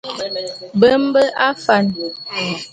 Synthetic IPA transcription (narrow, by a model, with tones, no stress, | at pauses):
bə˦m˦bə˦ʔa˦fa˨n